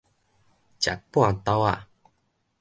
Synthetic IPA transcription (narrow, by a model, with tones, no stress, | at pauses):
t͡ɕja̰˨k̚pwã˥˨t̪a˧˦a˨